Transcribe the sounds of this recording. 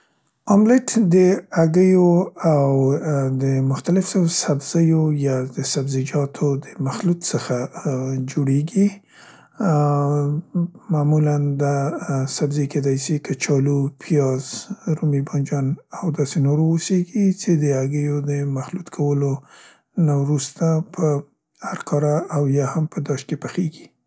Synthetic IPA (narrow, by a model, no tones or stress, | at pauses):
ɑmlɪʈd̪əaɡəjoawd̪əmʊxt̪alɪfosabz̥əjojɑd̪əsabzid͡ʒɑt̪ʰod̪əmaxlut̪səxad͡ʒoɽeɡi | mamuland̪asabzeked̪ɑjsikʰət͡ʃɑlupʰijɑzɾumibɑnd͡ʒɑnawd̪ɑsenoɾooseɡit͡ʃed̪əaɡəjod̪əmaxlut̪kʰawəlo | nawɾust̪apʰə | haɾkʰɑɾaawjɑhampəd̪ɑʃkepəxeɡi̥